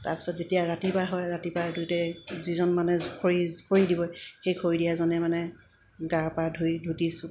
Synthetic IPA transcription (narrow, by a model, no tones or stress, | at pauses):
ta̰ɹpi̥sɔtzetijaɹatipaɦɔjɹatipadʱujtɛzizɔnmanɛkʰoɹizkoɹidibɔxejkʰoɹidijazɔnɛmanɛ | ɡapadʱujdʱutisʊ